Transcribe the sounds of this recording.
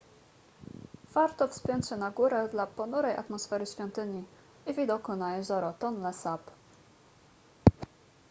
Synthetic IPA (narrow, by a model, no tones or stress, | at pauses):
v̥aɾt̪ɔfspʲjɛnt̪ɕɛnaɡuɾɛd̪lapɔnuɾɛja̰t̪mɔsfɛɾɘɕfʲjɔnt̪ɘɲi | ivʲid̪ɔkunajɛzɔɾɔt̪ɔnlɛsap